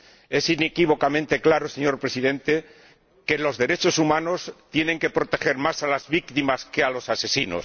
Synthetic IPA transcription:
e̞sine̞kiβ̞o̞kamẽnt̪e̞klaɾo̞seɲo̞ɾpɾe̞siðẽ̞nt̪e̞ | ke̞lo̞zðe̞ɾe̞t͡ʃo̞sumãno̞st̪je̞ne̞ŋke̞pɾo̞t̪e̞xe̞ɾmasalazβikt̪imaske̞alo̞sase̞sino̞̰s

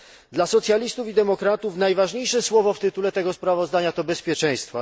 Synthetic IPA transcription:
d̪lasɔt̪sʲjalʲist̪ufid̪ɛmɔkɾat̪ufnajvaʐɲejʂɛswɔvɔft̪ɘt̪ulɛt̪ɛɡɔspɾavɔzd̪aɲat̪ɔbɛspʲjɛt͡ʂɛ̃j̃st̪fa

